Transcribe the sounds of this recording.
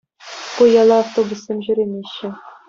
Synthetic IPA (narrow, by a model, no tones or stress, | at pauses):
kujɑlˠɑːft̪obusːemʑyɾʲemʲeɕːɘ̆